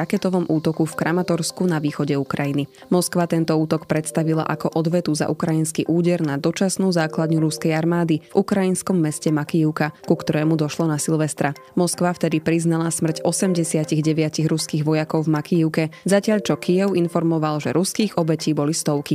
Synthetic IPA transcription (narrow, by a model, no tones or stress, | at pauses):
akɛt̪ɔʋɔmʔuːt̪ɔkufkɾʔamat̪ɔɾskunaʋiːxɔɟɛukɾajini | mɔskʋat̪ɛnt̪ɔuːt̪ɔkpɾɛt̪st̪aʋila̰ʔakɔʔɔd̪ʋɛt̪uza̰ʔukɾajinskiʔuːɟɛɾnad̪ɔt͡ʃasnuːzaːklad̪ɲuɾuskɛjaɾmaːd̪ivukɾajinskɔmːɛscɛmakiiʊkakukt̪ɔɾɛːmud̪ɔʃlɔnasilʋɛst̪ɾa | mɔskʋaft̪ɛd̪ipɾiznalasmr̩cɔsɛmɟɛsɪaciɣɟɛʋɪaciɣɾuskiːɣʋɔjakɔʊvmakiiʊkɛzacɪaʎt͡ʃɔkʰijɛʊinfɔɾmɔʋalʒɛ̰ɾuskiːɣɔbɛciːbɔlist̪ɔʊki